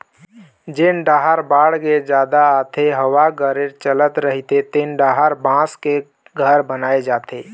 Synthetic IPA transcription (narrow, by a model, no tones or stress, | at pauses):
d͡ʒenɖaːɦəɾbaːɽɡed͡ʒjaːd̪aːt̪ʰeɦəwaɡəɾeɾt͡ʃələt̪ɾəɦit̪et̪enɖaːɦəɾbãske | ɡʱəɾbənaːed͡ʒaːt̪eː